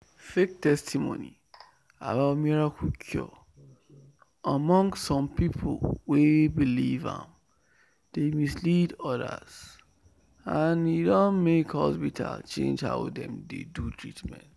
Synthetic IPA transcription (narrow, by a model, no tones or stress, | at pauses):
fek̚tɛstimo̰nḭ | abaʊtmiɹakʰukʰjɔ̰ | amɔ̃ŋsːɔ̃mpipʰolwebilivã̰m | d̥emislidɔdə̰z̥ | anidɔ̃nmekhɔspitʰa̰lt͡ʃḛ̃nd͡ʒha̰ʊdɛ̰̃mdḛdutʰɹitmɛ̰̃nt